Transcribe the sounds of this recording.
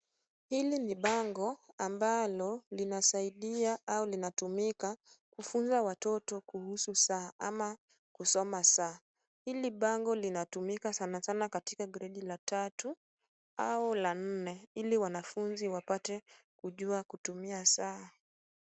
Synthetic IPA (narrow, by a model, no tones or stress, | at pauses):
hiliniɓaŋɡɔambalɔlinasaiɗiaʔaulinatumika | kufunzawatɔtɔkuhususaama | kusɔmasaː | hiliɓaŋɡɔlinatumikasanasanakatikaɡɛɾɛɗilatatu | aulan̩nɛiliwanafunziwapatɛ | kuʄuakutumiasa